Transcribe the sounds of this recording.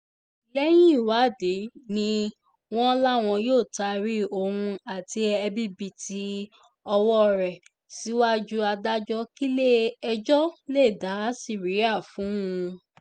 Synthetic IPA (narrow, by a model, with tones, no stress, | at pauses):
lɛ˦j̃ĩ˦˨wa˨˦˨de˨˦nĩ˧˦ | w̃ɔ̃˦la˦˨w̃ɔ̃˧joː˦˨ta˧ɾi˦o˧˨hũ˧a˦˨ti˧ɛ˧bi˦bi˧ti˧ | ɔ˧wɔ˦˨ɾɛ˨ | si˨˦wa˦d͡ʒu˦a˧da˦d͡ʒɔ˦ki˦le˦ɛ˧d͡ʒɔ˦le˦˨da˨˦si˨ɾi˨˦a˦˨fũ˨˦ũ˧